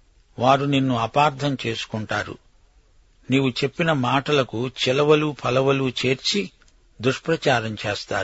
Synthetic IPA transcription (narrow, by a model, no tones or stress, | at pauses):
ʋaːɾuninːuɐpaːɾt̪ʰɐmt͡ʃe̞ːsu̥kuɳʈaːɾṵ | niːwut͡ʃe̞pːinɐmaːʈɐlɐkut͡ʃilɐʋɐluːpʰɐlɐʋɐluːt͡ʃe̞ːɾt͡ʃi | d̪uʂpɾɐt͡ʃaːɾɐmt͡ʃeːst̪aː